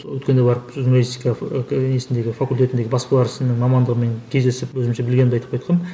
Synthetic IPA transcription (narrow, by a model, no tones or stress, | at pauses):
wɵt̪kʲe̞nd̪ejbɑɾəpʒunalʲist̪ijkɑnesɪnd̪e̞ɡʲɪfakulʲt̪ʲe̞t̪ɪnd̪e̞ɡʲɪbɑspɑlˠɑɾəsənəɴmɑmɑnd̪əʁəme̞ŋkʲʰe̞zd̪e̞sɪpwɵzɪmʃebɪlɡʲed̪eɑjt̪əpqʰojt̪qɑn